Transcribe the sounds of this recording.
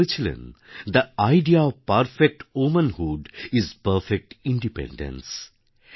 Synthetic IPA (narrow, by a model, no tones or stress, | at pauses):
ɪt͡ʃlə̰̃nd̪əaɪɖiaɔʋpɐɾfek̚ʈumə̃nhuɖɪzpəɾfek̚ʈɪ̃ɳɖipɛ̰̃ɳɖə̰̃ns